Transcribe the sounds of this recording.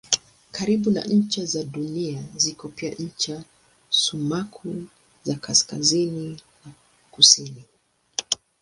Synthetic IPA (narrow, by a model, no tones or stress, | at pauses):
kaɾiɓuna̰ɲ̩t͡ʃɛzaɗuniazikɔpia̰ɲ̩t͡ʃa | sumakʰu | zakʰaska̰zinina | kusini